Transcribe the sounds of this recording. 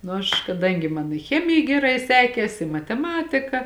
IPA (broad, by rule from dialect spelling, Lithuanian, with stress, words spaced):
ˈnʊ ɐʃ kɐˈdɐŋʲɡʲɪ ˈmɐn ɪ ˈxʲæːmʲɪjɛ ɡʲɛˈrɐɪ ˈsʲæːkʲeːs ɪ mɐtʲɛˈmɑːtʲɪkɐ